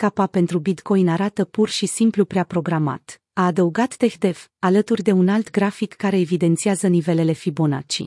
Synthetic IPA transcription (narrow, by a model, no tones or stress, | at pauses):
kapape̞nt̪ɾubit̪ko̞jnaɾat̪əpurʃisimplupɾeapɾo̞ɡɾama̰t̪ | aːd̪əuɡat̪ːe̞xd̪e̞valət̪urʲd̪e̞unalt̪ɡɾafikːaɾe̞ːvid̪e̞nt̪siazənive̞le̞le̞fibo̞na̰t͡ʃḭ